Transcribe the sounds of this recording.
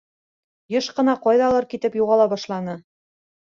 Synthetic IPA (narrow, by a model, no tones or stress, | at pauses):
jɤʃqɤ̆nɑqɑjðɑlˠɤɾkit̪ɘpjuʁɑlˠɑbɑʃlˠɑnɤ